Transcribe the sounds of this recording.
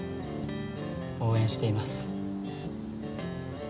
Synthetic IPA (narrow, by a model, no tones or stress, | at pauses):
o̞ːẽ̞ɰ̃ɕi̥t̪e̞imasɨ̥